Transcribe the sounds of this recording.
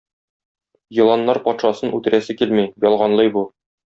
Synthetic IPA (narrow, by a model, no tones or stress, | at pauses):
jɤ̆lˠɑnːɑɾpɒt̪ʃɑsɤnʉt̪ɘ̆ɾæsɘkilmijjɒlˠʁɑnlˠɤjbu